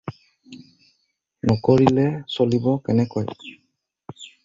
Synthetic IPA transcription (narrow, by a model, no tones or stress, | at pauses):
nɔkɔɹilɛsolibɔkɛnɛkɔj